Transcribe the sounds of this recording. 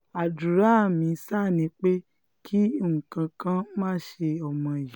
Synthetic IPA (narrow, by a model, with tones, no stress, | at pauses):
a˨du˨ɾa˨˦˨mĩ˧˦sa˦˨nĩ˨˧˦k͡pe˦ | kʰi˦˨ŋ̩̃˨kã˧kã˦mãː˦˨˦ʃe˧ɔ˦˨mɔ̃˧ji˨˦